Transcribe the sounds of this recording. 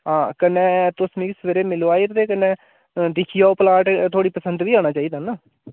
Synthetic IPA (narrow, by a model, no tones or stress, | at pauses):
ɦãːkənẽːt̪ʊsmĩːksəʋəɾeːmɪloːaːiːɾt̪eːkəneː | d̪ɪkʰijaːoːpəlaːʈt̪ʰoːɽiːpəsə̃nd̪ʋiːaːɽ̃aːt͡ʃaːiːd̪aːnaː